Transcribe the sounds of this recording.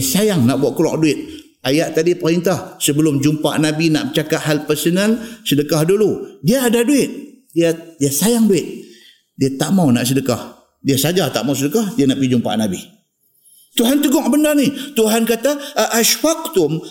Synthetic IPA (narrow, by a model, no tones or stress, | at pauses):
sajaŋnaʔbuaʔkəla̰ʔ̚duɪt̪̚ | ajaʔt̪adipəɾint̪ahsəbəlʊmd͡ʒumpa̰ʔnabina̰ʔmət͡ʃakat̪halpərsənəlsədəkahduludiaːdaduɪt̪̚ | diadiasajaŋduɪt̪̚ | diat̪aʔmawnaʔsədəkah | diasad͡ʒat̪a̰ʔmawsədəkahdianaʔɡid͡ʒumpa̰ʔnabi | t̪uɦant̪əɡɔk̚bəndarnit̪uɦankat̪aʔːʃwak̚t̪ʊm